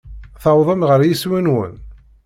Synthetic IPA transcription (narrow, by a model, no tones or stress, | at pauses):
θɑwðˤəmʁəɾjiswænwə̰n